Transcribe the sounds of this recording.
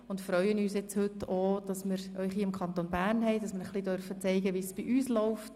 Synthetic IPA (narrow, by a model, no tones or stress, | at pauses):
ʊntfɾœʏənyːsjɛt͡shʏtːod̥ɑsmɪɾœʏχɦiːɪmkʰχɑnt̪onbæːrnɦɛɪd̥ɑsmɪːɾχlidœɾfət͡sɛɪɡəʋiːsb̥iʔyːslɔʊft